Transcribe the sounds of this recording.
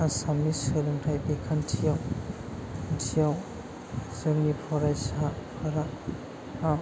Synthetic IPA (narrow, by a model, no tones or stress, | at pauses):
asamisɯlɯŋtʰajbekʰantʰijaw | ntʰijaw | zɯŋnipʰɔɾajsapʰaɾa | a